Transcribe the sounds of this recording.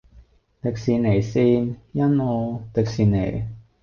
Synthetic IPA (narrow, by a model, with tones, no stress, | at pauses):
t̪ɪ˨k̚siː˨˧ne˨˩jsiː˧njɐ˥nɔː˨˧t̪ɪ˨k̚siː˨nːḛ˨˩j